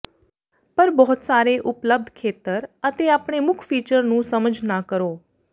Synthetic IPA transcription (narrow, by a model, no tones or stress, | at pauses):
pəɾbɔːt̪saːɾeːʔʊpləb̚d̪ʱkʰeːt̪əɾət̪eːaːpɳeːmʊkʰpiːt͡ʃəɾnũːsəməd͡ʒʱnaːkəɾoː